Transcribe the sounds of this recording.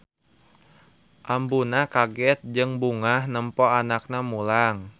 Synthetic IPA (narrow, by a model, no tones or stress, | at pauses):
ʔambunakaɡɛt̪̚d͡ʒɨŋbuŋahnəmpɔanak̚namulaŋ